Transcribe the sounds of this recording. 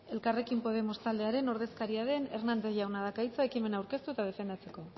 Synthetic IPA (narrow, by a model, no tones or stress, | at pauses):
e̞lkare̞kimpo̞ð̞e̞mo̞st̪ald̪e̞aɾe̞no̞ɾð̞e̞skaɾiaðe̞ne̞rnand̪eʝawnaðakajt͡sae̞kime̞nawɾke̞st̪uet̪aðe̞fe̞nd̪at͡se̞ko̞